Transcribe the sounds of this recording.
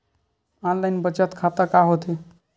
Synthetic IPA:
anlajnbət͡ʃət̪kʰat̪əkaɦot̪e

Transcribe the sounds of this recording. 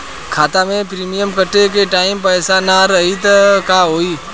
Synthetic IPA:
kʰaːt̪amẽpɾiːmijəmkəʈːekeʈaːɪmpəːsanaɾɐɦit̪əkaɦoːiː

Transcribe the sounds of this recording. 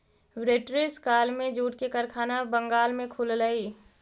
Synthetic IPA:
wɾeːʈɾeskaːlmẽd͡ʒuːʈkekəɾkʰaːnabəŋɡaːlmẽkʰʊlləiː

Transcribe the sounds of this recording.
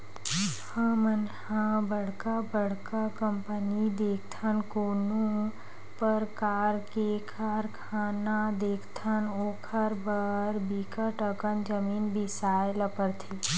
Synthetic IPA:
hə̃mənhãbəɽkabəɽ̤kakə̃mpənid̪eːkʰt̪ʰənkoːnõ | pəɾkaːɾkekʰaːɾkʰaːnad̪eːkʰt̪ʰənoːkʰəɾbəɾbiːkəʈəkənd͡ʒəmiːnbʱɪsaːeləpəɾt̪ʰiː

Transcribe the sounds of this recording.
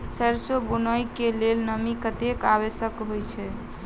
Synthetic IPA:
səɾsobunəjkelelnəmikət̪ekaβesəkɦojt͡ʃʰɛ

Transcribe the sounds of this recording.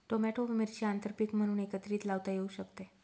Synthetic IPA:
ʈomɛʈoʋimeɾt͡ɕiant̪əɾpikm̤əɽ̃uːnekət̪ɾiːt̪laʋt̪ajeuɕəkt̪e

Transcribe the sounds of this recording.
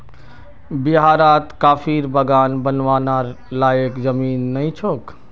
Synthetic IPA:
biɦaːɾat̪kaːpʰiɾbəɡaːnbənʋaːnaɾ | lajəkd͡ʒəmiːnːəjt͡ʃʰok

